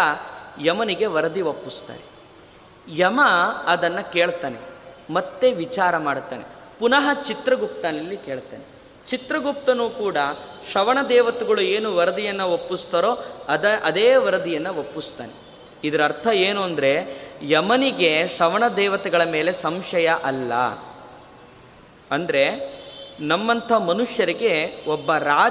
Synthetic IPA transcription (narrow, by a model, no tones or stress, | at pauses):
jɐmɐniɡe̞ʋɐɾɐd̪iopːust̪a̰ːɾe | jɐmɐːd̪ɐnːɐke̞ːɭt̪aːnḛmɐt̪ːe̞ʋit͡ʃaːɾɐmaːɽt̪a̰ːne̞̰ | punɐɦɐt͡ʃit̪ɾɐɡup̚t̪aːnɐlːike̞ːɭt̪aːne | t͡ʃit̪ɾɐɡup̚t̪ɐnuːkuːɽɐʂɐʋɐɳɐd̪ɛːʋɐt̪ɛɡɐɭueːnuʋɐɾɐd̪ijɐnːɐopːist̪ɐːɾoːɐd̪ʔɐd̪eːʋɐɾɐd̪ijɐnːɐopːist̪a̰ːne | id̪ɐɾɐɾt̪ʰɐeːnuɐnd̪ɐɾe̞jɐmɐniɡe̞ʂɐʋɐɳɐd̪ɛːʋɐt̪ɛɡɐɭɐmeːle̞sɐmʂɐjɐʔɐlːɐ̰ | ɐnd̪ɐɾe̞ | nɐmːɐnt̪ʰɐmɐnuʂjɐɾiɡe̞obːɐɾaː